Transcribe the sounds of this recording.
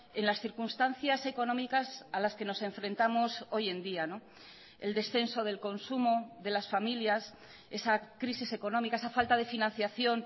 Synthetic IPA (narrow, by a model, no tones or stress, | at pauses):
enlasθiɾkunst̪an̟θjase̞ko̞nõ̞mikasalaske̞no̞se̞ɱfɾẽ̞nt̪amoso̞je̞nd̪iano̞ | e̞̰ld̪e̞sθe̞nso̞ð̞e̞lko̞nsumoðe̞lasfamiljas | e̞sakɾisise̞ko̞nomikaesafalt̪aðe̞finãn̟θjaθjo̞n